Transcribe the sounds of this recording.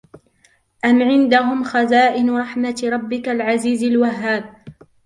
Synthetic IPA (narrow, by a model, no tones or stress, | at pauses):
ʔamʕɪnd̪aɦʊmxazaːʔɪnɾˤɑħmat̪ɾˤɑbːɪkalʕaziːzalwaɦːaːb̚